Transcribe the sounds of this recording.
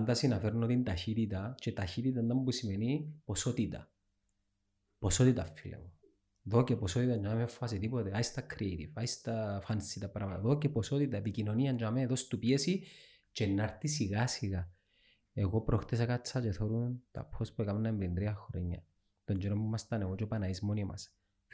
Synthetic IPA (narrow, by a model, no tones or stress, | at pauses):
and̪asinafeɾnot̪int̪açit̪it̪at͡ʃet̪açit̪it̪and̪ambusimeniposot̪it̪a̰ | posot̪it̪afːilḛɣo | ðokeposot̪it̪and͡ʒamemefːasit̪ipot̪eaist̪akʰɾiejt̪ivaist̪afansit̪apɾamat̪aðokeposot̪it̪aepikinoniand͡ʒameðost̪upiesi | t͡ʃenːaɾt̪isiɣasiɣa | eɣopɾoxt̪esakat͡sːat͡ʃeθoɾunt̪a̰pʰːospuekamenːaemɾind̪ɾiaxoɾeɲːa̰ | t̪ond͡ʒeɾombumast̪aneɣot͡ʃopanaizmonioma̰s